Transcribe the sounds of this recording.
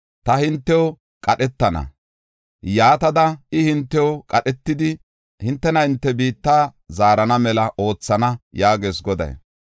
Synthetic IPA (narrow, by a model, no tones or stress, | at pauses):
t̪ɐhɪnt̪ːɛɔ | kʼɐɗɛt̪ːɐnɐ̰ | jaːt̪ɐd̪ɐɪhɪnt̪ːɛokʼɐɗɛt̪ːɪd̪ɪ | hɪnt̪ːɛnɐɪnt̪ːɛbiːt̪ːaːzaːɾɐnɐmɛlɐʔo̞ːt͡sːɐnɐjaːɡe̞ːsɡɔd̪ɐ̰j